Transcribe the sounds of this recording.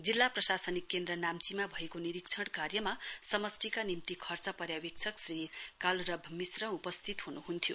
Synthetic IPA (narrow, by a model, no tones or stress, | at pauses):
d͡zilːaprʌsasʌnikːend̪rʌnamt͡simabʱʌekoniɾikt͡sʰʌɽ̃karjʌmasʌmʌsʈikanimt̪ikʰʌrt͡sʌpʌɾjawik̚t͡sʰʌksrikalrʌbʱmisrʌupʌst̪ʰit̪ɦunuɦunt̪ʰijo